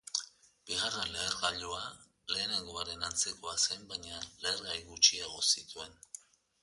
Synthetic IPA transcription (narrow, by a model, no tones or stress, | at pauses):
b̥iɣ̞arenleːɾɣaʎoa | le̞ːneŋɡoaɾe̞nant͡sekoase̞mbajɲaleːɾɣajɣut͡ʃieɣ̞o̞sit̪ue̞n